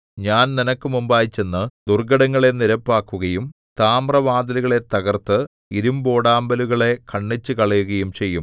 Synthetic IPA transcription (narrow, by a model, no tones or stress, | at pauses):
ɲaːnninɐkːɨmumbaːjit͡ɕːenːɨd̪urɡɐɽɐŋːɐɭe̞niɾɐpːaːkːuɣɐjum | t̪aːmrɐʋaːd̪ɐliɣɐɭe̞t̪ɐɣɐrt̪ɨ | iɾumbo̞ːɽaːmbɐluɣɐɭe̞kɐɳːit͡ɕːɨkɐɭɐjuɣɐjumt͡ɕe̞jːum